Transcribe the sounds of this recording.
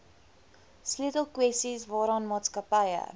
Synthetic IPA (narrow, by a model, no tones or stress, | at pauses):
sliətəlˠkwɛstisvɑːɾəɑːnmɑːtskəpəjə̰